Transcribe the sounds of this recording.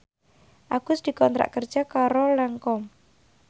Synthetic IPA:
ʔaɡ̥ʊsd̪̥i̤kɔnt̪ɾa̰ʔkərd̥d͡ʒ̥akaɾolɛŋkɔm

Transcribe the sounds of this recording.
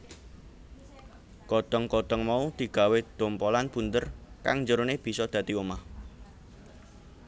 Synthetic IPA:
kɔd̪̥ɔŋkɔd̪̥ɔŋmaud̪̥i̤ɡ̥a̤wed̪̥o̤mpɔlanb̥unt̪ərka̰ŋɲd͡ʒəɾoneb̥i̤sɔd̪̥ä̤t̪iomah

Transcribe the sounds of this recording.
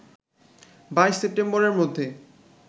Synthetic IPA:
bajʃsep̚ʈemboɾeɾmod̪ʱːe

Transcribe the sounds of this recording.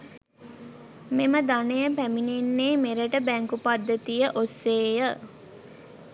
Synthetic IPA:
meməd̪anejəpæminenːeːmeɾəʈəbæŋkupad̪ːət̪ijəʔosːeːjə

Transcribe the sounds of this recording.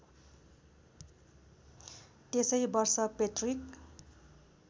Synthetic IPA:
t̪esʌjbʌrsʌpetrik

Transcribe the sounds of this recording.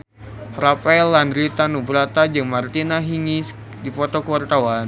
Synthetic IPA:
ɾapaɛlandɾit̪anubɾat̪ad͡ʒɨŋmart̪inaɦiŋis | dipɔt̪ɔkəwart̪awan

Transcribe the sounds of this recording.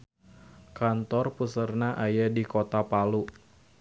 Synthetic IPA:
kant̪ɔrpusərnaʔajadikot̪apalu

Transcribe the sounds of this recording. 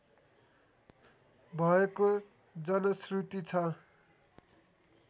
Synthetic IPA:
bʱʌeko | d͡zʌnʌsrut̪it͡sʰʌ

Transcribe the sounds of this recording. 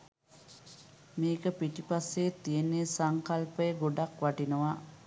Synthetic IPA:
meːkəpiʈipaseːt̪ːijenːesaŋkalpəjəɡoɖakʋaʈinəʋa

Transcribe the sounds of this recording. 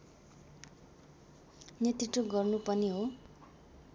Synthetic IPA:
net̪riʈroɡʌrnupʌniɦo

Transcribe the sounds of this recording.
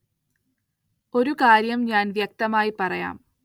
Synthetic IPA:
o̞ɾukaːɾjɐmɲaːnʋjɐk̚t̪ɐmaːjipɐrɐja̰ːm

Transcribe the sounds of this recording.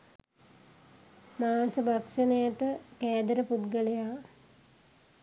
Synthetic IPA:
maːsəbʱakʂənəjat̪əkæːd̪əɾəput̪ɡəlejaː

